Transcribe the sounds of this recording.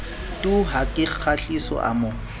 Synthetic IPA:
tʼuɦakʼɪk͡xʰaɬisɔ̰ʔa̰mo

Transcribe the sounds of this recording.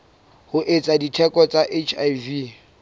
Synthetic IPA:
hʊʔet͡sʼaditʰɛkʼɔt͡sʼaʔet͡ʃʰajvi

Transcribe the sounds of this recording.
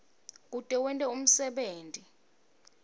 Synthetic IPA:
k̬ʼutʼɛwɛntʼɛum̩sɛɓeːntʼi

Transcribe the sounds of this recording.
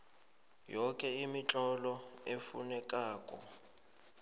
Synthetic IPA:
jɔkʼɛimit͡ɬʼɔlɔefunɛkʼaːkʼɔ̰

